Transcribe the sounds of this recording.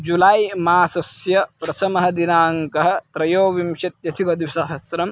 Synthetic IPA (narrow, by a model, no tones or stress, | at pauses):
d͡ʒulaːjmaːsɐsjɐpɾɐt̪ʰɐmɐɦɐ̆d̪inaːŋkɐɦɐ̆t̪ɾɐjoːʋimʃɐt̪̚jɐt̪ʰikɐd̪usɐɦɐsɾɐm